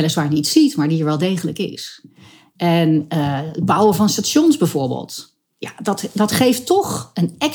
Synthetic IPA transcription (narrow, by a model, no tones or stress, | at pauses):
ɛləsʋaːɹjənitsitmaːɹdiəɹʋɛlˠdejχələkɪ̰s | ʔɛnəəd̚bʌwəvɑnstaːʃɔnszbɛjvʊːɹbḛlˠt | jadɑtdɑtχejftɔχənɛk